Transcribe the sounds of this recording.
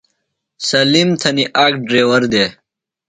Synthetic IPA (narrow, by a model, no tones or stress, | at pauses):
sɐlimt̪ʰɐniʔakɖɾeːwɐɾd̪eː